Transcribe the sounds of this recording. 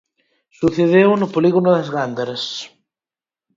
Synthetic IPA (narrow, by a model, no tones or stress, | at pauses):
suθeðewnʊpoliɣonʊðɐzɣand̪aɾɐs